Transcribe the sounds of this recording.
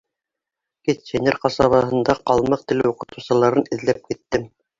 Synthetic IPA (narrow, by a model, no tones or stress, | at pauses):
kit̪senʲeɾqɑsɑβɑɦɤ̆nd̪ɑqɑlˠmɤq̚t̪ɘ̆lɘuqɤ̆t̪ɤ̆wsɤ̆lˠɑɾɤnɘ̆ðlæp̚kit̪ːɘm